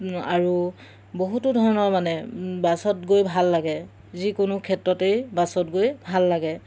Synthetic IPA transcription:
aɹu | boɦutʊdʱɔɹɔnɔɹmanɛbasɔtɡojbʱalːaɡɛ | zikʊnʊkʰɛtɹɔtejbasɔtɡojbʱalːaɡɛ

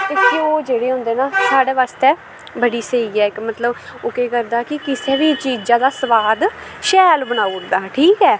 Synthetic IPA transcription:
t̪eːkʰːkeoːd͡ʒeːɽeːɦʊ̃nd̪eːnaːsaːɽeːʋaːst̪ɛː | bəɽiːsəiːɛːɪkmət̪ləboːkeːkəɾd̪aːkɪkɪseːʋiːt͡ʃiːd͡ʒãːd̪aːsəʋaːd̪ | ʃɛːlbənaːuɾd̪aːʈʰiːkɛː

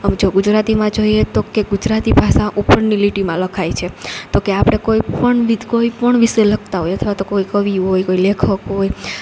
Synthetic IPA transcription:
əmd͡ʒoɡud͡ʒɾat̪imãd͡ʒoiet̪okeɡud͡ʒɾat̪ipasãʔupəɾniliʈimãləkʰajt͡ʃʰet̪okeapɽ̃ekoipəɳʋikoipəɳʋiʃelək̚ʰt̪aɦojət̪ʰʋat̪okoikəʋiɦojkoilekʰəkɦoj

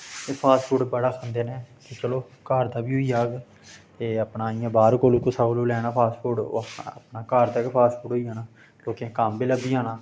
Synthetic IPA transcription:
t̪eːpʰaːspʰʊɖbəɽaːkʰə̃nd̪eːneːket͡ʃəloːkaːɾt̪aːbiːɦʊiːaːɡ | t̪eːəpnaːɪjãːbaːɾkoːluːkʊsaːoluːlɛːɽaːpʰaːspʰʊɖ̰əpnaːkaːɾt̪əkpʰaːspʰʊʈɦoiːaːnaː | loːkẽːkambiːləbiːãːnãː

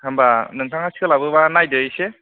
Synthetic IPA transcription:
kʰambanɯŋtʰaŋasi̥kʰɯlabɯbanajdɯse

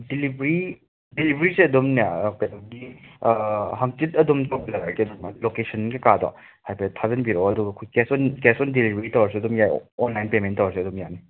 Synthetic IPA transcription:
dilibɾi | dilibɐɾiseɐdumnakanaɡi | ɦaŋtit̚ɐdumtawbilaɾaɡeɐdumlokesɐnɡekadɔ̰ | hajbetʰazɐnbiɾoɐduɡɐkʰujkesɔnkɛsɔndilibɾitɐwɐɾs̬eɐdumjaj̰ɔnlajnpementːɐwɐɾs̬eɐdumjani

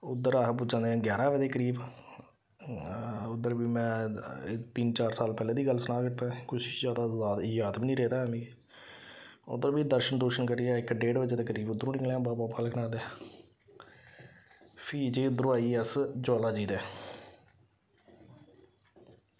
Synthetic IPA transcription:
ʊd̪əɾaːp̬ʊd͡ʒãːnd̪ẽːɡjaːɾaːʋəd̪eːkəɾiːb | ʊd̪ːəɾbiːmɛ̃ː | t̪int͡ʃaːɾsaːlpɛːleːd̪iːɡəlsʊnaːkɪʈ̚t̪aːɛkʊt͡ʃʰːzjaːd̪aːaːjaːd̪əmnĩːɾeːd̪aːmĩː | ʊ̰d̪əɾbiːd̪əɾʃənd̪oːʃənkəɾijaːɪkɖeːɖʋəd͡ʒeːd̪eːkəɾiːbʊd̪ːəɾũːnɪŋɡlãːbaːbaːpaːləkʰnãːd̪e | pʰiːd͡ʒeːʊd̪əɾaːiːəsd͡ʒoːlaːd͡ʒiːd̪eː

